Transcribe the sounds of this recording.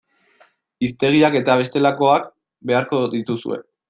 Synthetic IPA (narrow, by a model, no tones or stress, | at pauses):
ist̪e̞ɣiake̞t̪aβ̞e̞st̪e̞lako̞ak̚ | be̞aɾko̞ðit̪usṵe̞̰